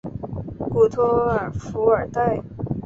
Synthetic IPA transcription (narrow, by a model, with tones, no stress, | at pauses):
ku˥˩t̪ʰɔ˥ə˞˨˩fu˧˥ə˞˨˩t̪a˥˩ɪ